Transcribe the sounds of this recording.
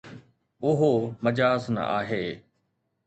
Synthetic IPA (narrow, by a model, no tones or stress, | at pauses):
ʊɦomɐd͡ʑaːznə̰ʔa̰ːɦeː